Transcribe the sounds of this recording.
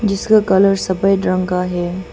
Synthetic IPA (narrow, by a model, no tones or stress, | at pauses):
d͡ʒɪskakɐləɾsɐbəjɖɾə̃ŋɡaɦɛː